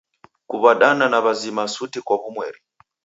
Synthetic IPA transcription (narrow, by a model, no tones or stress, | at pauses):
kuβaɗananaβazimasutikwaβumwɛ̰ːɾi